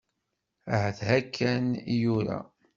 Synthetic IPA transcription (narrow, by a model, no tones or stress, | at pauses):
ʕθhækʰːænijuɾæ̰